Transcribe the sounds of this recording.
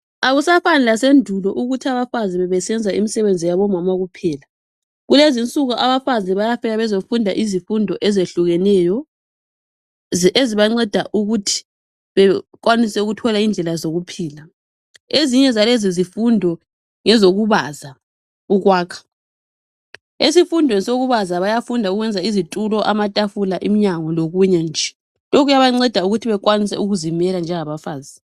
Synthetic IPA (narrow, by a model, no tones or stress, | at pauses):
aɣusafanɛlasendʱulɔʔuɣutʰiaβafazɛβɛβɛsɛnd͡zʱaimisɛβend͡zʱijaβɔmamaɣupʰɛːla | ɣulezint͡sʼuɣɔʔaβafazɛβajafɛɣaβɛzofundʱa̰ʔizifundʱɔʔɛzeɬuɣɛnɛjɔ | ʔeziβaŋ͡ǀɛd̥ʱaʔuɣutʰi̥ | βɛkwanisɛuɣutʰɔlaind͡ɮʱɛlazoɣupʰiːla | eziɲɛzalezizifundʱɔ | ŋɛzoɣuβaza | uɣwaːkʰḁ | esifundʱwɛsoɣuβazaβajafundʱauɣwɛnd͡zʱaizitʼulɔʔamatʼafulaʔimiɲaŋɔloɣuɲɛnd͡ʒʱɛ | lok̬ʰujaβaŋ͡ǀɛd̥ʱauɣutʰiβɛkʼwanisɛ̰uɣuzimɛland͡ʒʱɛŋaβafaːzi